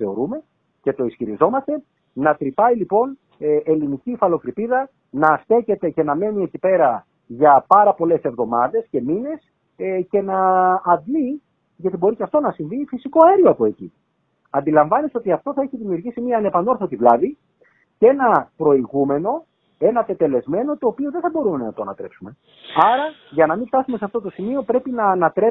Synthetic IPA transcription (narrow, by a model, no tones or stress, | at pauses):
θe̞oɾume̞ | ce̞t̪o̞isçiɾizo̞mɐst̪e̞ | nɐt̪ɾipɐilipo̞n | elinicifɐlo̞kɾipiðɐ | nɐst̪e̞çe̞t̪e̞ce̞nɐme̞nie̞cipe̞ɾɐ | ʝɐpɐɾɐpo̞le̞se̞vðo̞mɐðe̞sce̞mine̞s | ce̞nɐːd̪li | ʝɐt̪ibo̞ɾiceɐft̪o̞nɐsiɱvifisiko̞ɐeɾioɐpo̞e̞cḭ | ɐnd̪ilɐɱvɐneso̞t̪iɐft̪o̞θɐeçiðimiuɾʝisimiɐːne̞pɐno̞ɾθot̪ivlɐði | ce̞nɐpɾo̞iɣume̞no̞ | e̞nɐːp̪et̪e̞le̞zme̞no̞t̪o̞ːpioðeθɐbo̞ɾume̞nɐt̪o̞ɐnɐt̪ɾe̞psume̞ | ɐɾɐʝɐnɐmĩft̪ɐsumeseɐft̪o̞t̪o̞simio̞pɾe̞pinɐːnɐt̪ɾe